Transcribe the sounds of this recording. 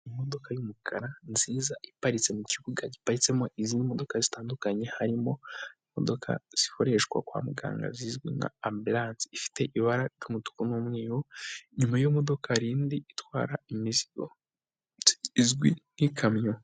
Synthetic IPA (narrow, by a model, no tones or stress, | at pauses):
imo̞do̞kajumukʰaɾanziːzaʔipaɾit͡se̞muciβuɡaɟipaɾit͡se̞mo̞ʔizinimo̞do̞kazitaːndukaɲe̞haɾimo̞imo̞̰do̞kʰa̰z̥iko̞ɾe̞ʃɡwa̰kwa̰ːmuɡa̰ːŋɡa̰zizɡwḭna̰ːmbilaːnsiifi̥te̞ʔiβaɾad͡ʒumutu̥kunumŋiːwoɲumajomo̞do̞kʰaɾiːndiitwa̰ːɾaimiziɡo | zɡwin̥ikʰamɲo